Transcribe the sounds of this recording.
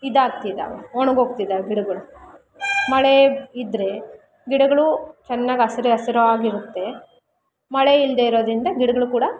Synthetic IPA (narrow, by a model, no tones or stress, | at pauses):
id̪aːɡ̚t̪id̪a̰ːʋḛoɳɐɡoːɡ̚t̪id̪aːeɡiɽɐɡɐɭu | mɐɭeid̪ɾe̞ | ɡiɽɐɡɐɭut͡ʃɛnːaːɡiɐsiɾeɐsiɾɐʋaːɡiɾut̪ːe̞ | mɐɭeild̪eiɾo̞ːd̪ɾind̪ɐɡiɽɐɡɐɭukuːɽɐ